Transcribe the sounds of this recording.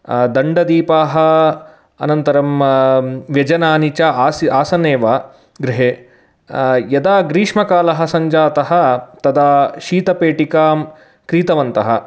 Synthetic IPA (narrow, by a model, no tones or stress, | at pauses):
d̪ɐɳɖɐd̪iːpaːɦɐ̆ | ɐ̰nɐnt̪ɐɾɐm | ʋjɐd͡ʒɐnaːnit͡ʃaːsiaːsɐneːʋaː | ɡɾiɦeː | jɐd̪aːɡɾiːʂmɐkaːlɐɦɐ̆sɐɲd͡ʒaːt̪ɐɦɐ̆t̪ɐd̪aːʃiːt̪ɐpeːʈikaːm | kɾiːt̪ɐʋɐnt̪ɐɦɐ